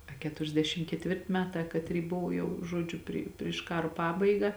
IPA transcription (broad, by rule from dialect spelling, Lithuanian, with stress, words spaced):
ɐ ˌkʲæːtʊrʲɛzʲˈdʲæːʃʲɪm kʲɛtʲˈʋʲɪrʲtʲɪ ˈmʲæːˌtɑː kɐˈtʲrʲiː ˈbʊʋoː jɛʊ ˈʒuɔd͡ʒʲʊ ˈpʲrʲɪ pʲrʲɪʃ ˈkɑːroː ˈpɑːbɐɪɡɐ